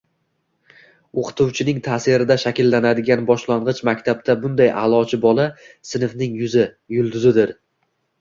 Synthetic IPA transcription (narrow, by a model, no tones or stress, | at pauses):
oqʰɨ̥t̪ʰuwt͡ʃʰɪnɪŋt̪ʰaːsɪɾɪd̪aʃakʲɪlːanad̪ɪɡʲanbɒʃlaɴʁɨt͡ʃmakʲt̪ʰab̚t̪ʰabʊnd̪ajʔalˠɒt͡ʃʰɪbɒlˠa | sɪnɪfnɪŋjʊzɪ | jʊlˠd̪ʊzɪd̪ɪɾ